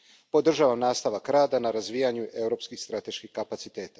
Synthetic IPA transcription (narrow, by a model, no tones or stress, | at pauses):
po̞d̪r̩ʒaʋamnaːst̪aʋakɾaːd̪anaɾazʋijaɲuʔe̞wɾo̞ːpskixst̪ɾat̪e̞ʃkixkapat̪sit̪e̞ːt̪ḁ